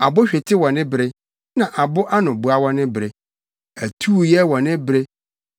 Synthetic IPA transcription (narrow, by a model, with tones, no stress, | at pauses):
a˨bʊ˦ɕᶣɛ˨tʰɪ˦wɔ̃˨nɪ̃˦bɾɪ˦ | nã˨ʔa˨bʊ˦ʔa˦nʊ̃˨bʊ˨˦a˦wɔ̃˦nɪ̃˦bɾe˨ | æ˨tʰuː˦˨jɛ˦wɔ̃˨nɪ̃˦bɾe˦